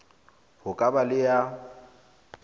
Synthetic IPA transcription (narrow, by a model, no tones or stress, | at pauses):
hʊkʼabalɪja